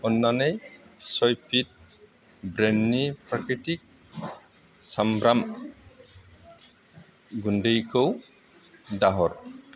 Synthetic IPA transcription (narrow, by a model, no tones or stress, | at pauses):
ɔnːanejsɔjpʰit̚ | bɾenːipɾakɾitik̚ | sambɾam | ɡundejkʰɯw | daɦɔɾ